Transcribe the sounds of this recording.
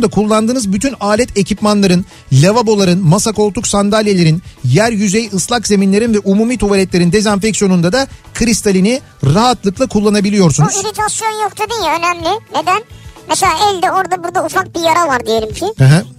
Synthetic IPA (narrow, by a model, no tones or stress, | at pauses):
nd̪akʰulˠːand̪ɯːnɯzbyt̪ʰynaːlʲɛt̪ʰe̞cʰipmanlˠaɾɯn | lʲevabo̞lˠaɾɯnmasako̞lˠt̪uksand̪alʲjelʲe̞ɾinjæɾjyzejɯslˠakze̞minlʲe̞ɾinvɛʔumuːmiːt̪ʰuvalʲɛt̪lʲe̞ɾind̪e̞zanfɛcsijo̞nund̪ad̪akʰɯɾist̪ʰalʲini | ɾaɦat̪lˠɯklˠakʰulˠːanabilʲijo̞ɾsunuiɾet͡ʃ̪ʰapsijonjokt̪ʰud̪ejilʲø̞næmlʲɪned̪ænmɛselʲaːɛlʲd̪ɛo̞ɾd̪abuɾd̪aufak̚bijaɾavaɾd̪ijelʲimcʰihɛɦɛ̃